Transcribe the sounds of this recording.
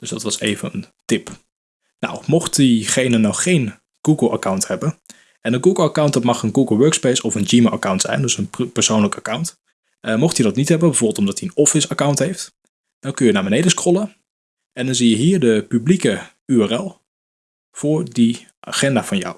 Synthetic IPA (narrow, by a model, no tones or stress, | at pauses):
d̥øsdɑ̰tʋɑsḛjvənən | tɪp | na̰wmɔχtdiχejnənɔxːejn | ɡ̥uɡəl̩ˠa̰kawnthɛbən | ʔɛnənɡuɡəlˠakawntdɑtmɑχənɡuɡəl̩ˠʋøːɹkspejsɔfənd͡ʒiːməʔakawntsɛ̰jndøsənpəɹsownləkakawnt | mɔχtidɑtnitɦɛbənbəvoːbəlˠtɔmdɑtiənɔfɪsakawntɦejft | d̥ɔnkɵnjənaːbənejdəskrɔlˠə | ɛndɑnzijəɦiːɹdəpyblikə | yɛrɛlˠ | v̥ʊːɹdi | ʔa̰χɛndaːvɑnja̰w